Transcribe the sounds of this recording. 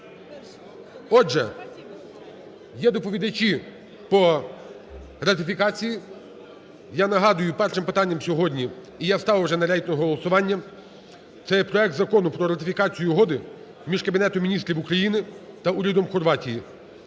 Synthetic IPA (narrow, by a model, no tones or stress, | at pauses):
ɔd͡ʒɛ | jɛd̪ɔpɔʋʲid̪ɐt͡ʃʲi | pɾɔ | ɾɐt̪̬ɪfʲikɑt͡sʲiji | janɐɦɑd̪ʊjʊpɛrʃɪmpɪt̪ɑnʲːɐmsʲɔɦɔdʲnʲiː | jawst̪ɑwwʒɛnɐɾʲait̪ʲnɔɦɔlˠɔsʊʋɑnʲːɐ | t̪sɛjɛpɾɔɛkt̪zɐkɔnʊpɾɔɾɐt̪ɪfʲikɑt͡sʲijʊɦɔd̪ɪ | mʲiʒkɐbʲinɛt̪ɔmʲinʲist̪ʲɾʲiwʊkɾɐjinɪt̪ɐuɾʲid̪ɔmxɔrʋɑtʲiji